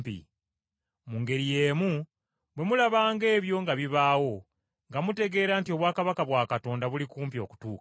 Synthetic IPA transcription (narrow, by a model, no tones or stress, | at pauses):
pḭ | muŋɡe̞ɾije̞ːmu | βwe̞mulaβaːŋɡe̞ːβjo̞ŋɡaβiβaːwo̞ | ŋɡamute̞ɡe̞ːɾaːntio̞βwaːkaβakaβwaːkato̞ːndaβulikuːmpio̞̰ːku̥tuːka